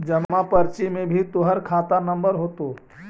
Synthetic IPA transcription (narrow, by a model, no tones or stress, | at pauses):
d͡ʒəmapəɾt͡ʃimẽbʱit̪ʊɦəɾkʰaːt̪anə̃mbəɾɦoːt̪oː